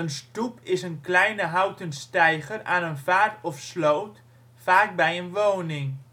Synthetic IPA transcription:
ənstupʰɪsənklɛjnəɦawtənstɛjχəra̰ːnənfaːrtɔfsloːt | faːk̚bɛjənʋoːnɪŋ

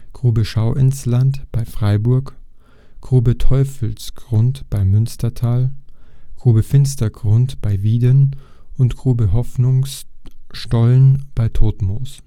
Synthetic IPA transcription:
ɡ̥ʁuːbəʃaʊʔɪnslantb̥aɪfʁ̥aɪbʊɐk | ɡ̥ʁuːbətʰɔʏfl̩sɡ̥ʁʊntb̥aɪmʏnstɐtʰaːlɡ̥ʁ̥uːbəfɪnstɐɡ̥ʁʊntb̥aɪviːdən | ʔʊntɡ̥ʁ̥uːbəɦɔfnʊŋs | tɔlənb̥aɪtʰoːtmo̰ːs

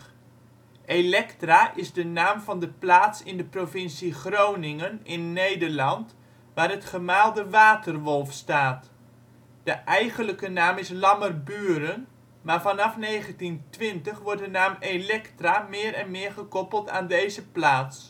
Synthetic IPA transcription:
elɛktraʔɪzdənaːmvɑndəplaːtsɪndəprovɪnsiχrownɪŋənɪnːejdərlɑnt | ʋaːrətχəmaːlˠdəʋaːtərʋɔlˠfstaːt | d̥əʔɛjχənləkənaːmɪslɑmərbyːɾən | maːɹvɑnɑfnejχəntintʋɪntəχʋɔrt̚dənaːmelɛktramɪːɾɛnmɪːrχəkɔpəlˠta̰ːndejzəplaːts

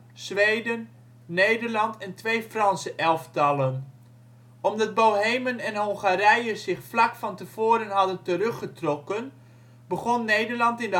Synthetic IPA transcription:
z̥ʋejdənː | ejdəɹlɑntɛntʋejfrɑnsəʔɛlˠftɑlˠən | ɔmdɑd̚bowɦejmənɛnɦɔŋχaɾɛjəzɪχflɑkfɑntəv̥oːɾənɦɑdəntərɵχətrɔkən | bəχɔnːejdəɹlɑntɪndə

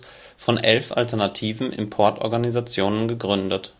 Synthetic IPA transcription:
fɔnʔɛlfʔa̰ltɛɐnatʰiːvn̩ʔɪ̰mpʰɔɐtʔɔ̰ɐɡanizat͡sjoːnənɡəɡʁʏndət

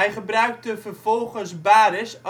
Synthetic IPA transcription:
ɛjχəbrœɥk̚təvərvɔlˠχənsbaːɾɪs

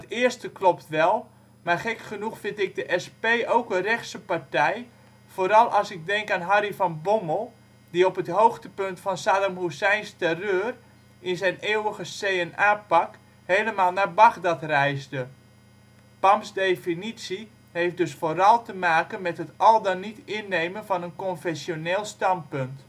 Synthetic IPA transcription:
ətɪərstəklɔptʋɛlˠ | marχɛkχənuxfɪntɪk̚dəʔɛspeːʔowkərɛxsəpartɛj | foːɾɑlˠɑsɪk̚dɛŋkaːnɦaɾifɔnbɔməlˠ | diɔpətɦowxtəpɵntfɔnsaːdəmɦusɛjnstɛrøːr | ʔɪnzɛjneəwəɣəsejɛnaːpak | heːləmaːlˠnabaɣdatrɛjzdə | pɑmsdefinisi | hejft̚dɵsfoːɾɑlˠtəmaːkənmɛtɦətʔɔlˠdanitɪnːejmənvɑnənkɔnfɛsjoneːlˠstɑnt̚pønt

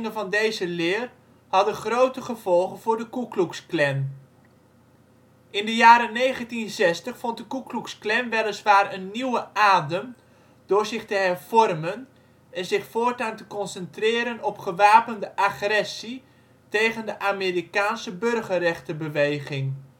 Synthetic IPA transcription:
ŋənvɑndejzəlɪːr | hɑdənχrowtəχəv̥ɔlˠχənvʊːrdəkukluksklɛn | ʔɪndəjaːɾənejχəntinzɛstəχfɔnt̚dəkukluksklɛnʋɛləsʋaːrənːiwəʔaːdəm | d̥ʊːɹzɪχtəɦɛrv̥ɔrmən | ɛnzɪχfoːɹtaːntəkɔnsɛntrɪːɾənɔpχəʋaːpəndəʔaχrɛsi | tejχəndəʔaːmɪːrikaːnsəbørχərɛχtəbəʋejχɪŋ

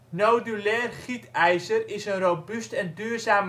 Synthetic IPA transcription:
nowdylɛːrχitʰɛjsərɪsənrowbystɛndyːrzaːm

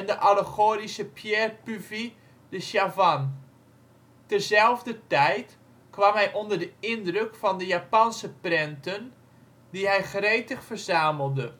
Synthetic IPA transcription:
ɛndəʔaləɣoːrisəpʰjɛːrpyvi | dəʃjavan | tərzɛlˠvdətɛjt | kʋamɦɛjʔondərdəɪndrøkfɔndəjapansəprɪntən | diɦɛjχreːtəxfərzaːməlˠdə

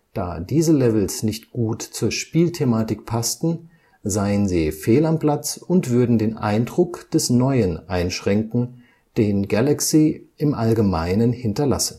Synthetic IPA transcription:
d̥a̰ːdiːzəlɛvl̩snɪçtɡ̥uːtt͡suːɐʃpiːltʰemaːtɪk̚pʰastn̩ | zaɪənziːfeːlampl̥at͡sʊntv̥ʏɐdn̩deːnʔa̰ɪndʁʊkd̥ɛsnɔʏənʔaɪnʃʁ̥ɛŋkŋ̩ | d̥eːnɡalaksiːʔɪmʔalɡəmaɪnənhɪntɐla̰sn̩

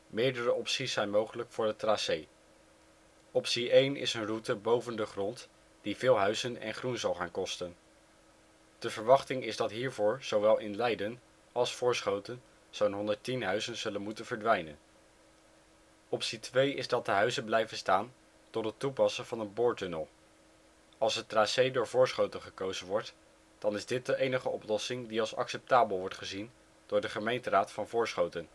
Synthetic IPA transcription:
mɪːɹdərəɔpsisːɛjnmowχələkfʊːɹdətraːsej | ɔpsiʔejnɪ̰sənrutəbowvəndəχrɔnt | d̥ivɪːlˠɦœɥzənɛ̰nχrunzɑlˠχaːnkɔstən | d̥əvəɹʋɑχtɪŋɪzdɑtɦiːɹvʊːɹz̥owʋɛlˠɪnlɛjdən | ɑlˠsfʊːɹsχowtən | z̥ownɦɔndətinɦœɥzənz̥ɵlənmutənvəɹdʋɛjnə̰n | ɔpsitʋejɪzdɑt̚dəɦœɥzənblɛjvənstaːn | tɔtɦətupɑsəvɑnənboːɹtønəlˠ | ɑlˠsətraːsejdʊːɹvʊːɹsχowtənχəkowzənʋɔɹt | d̥ɑnɪzdɪt̚dəʔejnəχəɔplɔsɪŋdiɑlˠsɑ̰ksɛp̚taːbəlˠʋɔɹtχəzin | d̥ʊːɹdəχəmejntəraːtfɑnvʊːɹsχowtən

